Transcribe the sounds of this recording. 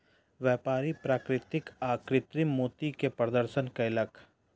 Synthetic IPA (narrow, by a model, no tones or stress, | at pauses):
ʋjɛːpaːɾipɾaːkɾɪt̪ɪkaːkɾɪt̪ɾimoːt̪ikepɾəd̪əɾʃənkaɪləkʰ